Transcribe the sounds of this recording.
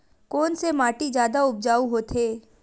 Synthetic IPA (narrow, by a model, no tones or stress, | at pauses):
kɔːnsemaːʈid͡ʒjaːd̪aʊb̚d͡ʒaːuɦoːt̪ʰeː